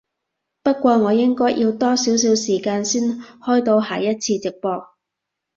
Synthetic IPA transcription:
pɐ˥t̚kʷɔː˧ŋɔː˨˧jɪ˥ŋkɔː˥jʔi˧wt̪ɔː˥siː˨˥ws̬iː˨˥wsiː˨˩kaː˧nsiː˥nhɔː˥jt̪o˧wɦaː˨˩jɐ˥t̚t͡sʰiː˧t͡sɪ˨k̚pɔː˧k̚

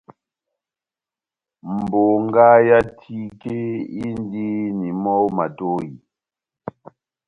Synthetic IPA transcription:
m̩˨bo˨ŋ˦ɡa˦ja˦tʰi˦ke˦i˦n˦di˦ni˨mɔ˦wma˨to˦ji˨

